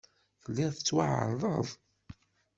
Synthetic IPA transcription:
fəlːɪʁθət͡sːwaʕə̰ɾˤðˤəðˤ

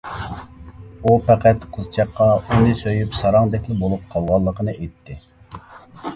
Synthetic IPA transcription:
upʰɛqʰæt̪qʰəzt͡ʃʰɑqːɑunɨsøjypsɑɾɑŋd̪ɛkʲlɪbolˠup̚qʰɑlˠʁɑlˠːəqʰənɨʔejt̪ʰːɪ

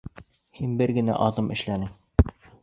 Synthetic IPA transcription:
hinbɘɾɡɘ̆næ̰ʔɑðɤmʔɘ̆ʃlænɘŋ

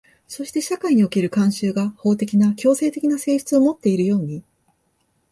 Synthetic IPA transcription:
so̞ɕi̥t̪e̞ɕakaiɲ̟io̞ke̞ɾɯ̟kãɰ̃ɕɨːɡaho̞ːt̪e̞kʲinakʲo̞ːse̞ːt̪e̞kʲinase̞ːɕt͡sɨomo̞t̪ːe̞iɾɯ̟jo̞ːɲ̟i

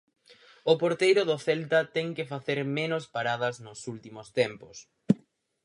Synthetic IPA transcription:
ʊpoɾt̪ejɾʊðʊθɛlt̪ɐt̪ɛŋkɪfaθeɾmenʊspaɾað̞ɐznʊsult̪imʊst̪ɛmpʊs

